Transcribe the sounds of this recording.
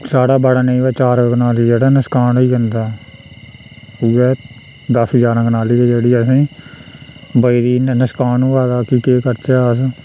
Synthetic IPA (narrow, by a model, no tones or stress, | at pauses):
saːɽaːbaɽaːneĩːʋɛːt͡ʃaːɾãkənaːliːd͡ʒeːɽaːnəskaːɳiːkənd̪aː | uɛː | d̪əsɦəd͡ʒaːɾãːkənaːliːd͡ʒeːɽiːəsĩː | bəiɾiːnnəskaːnũːʋaːd̪aːkiːkeːkəɾt͡ʃɛːəs